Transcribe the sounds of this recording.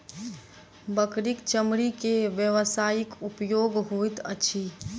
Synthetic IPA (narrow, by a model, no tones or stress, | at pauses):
bəkɾikt͡ʃəmɾikeʋjəʋəsaːjikupjoɡɦojt̪ə̰t͡ʃʰi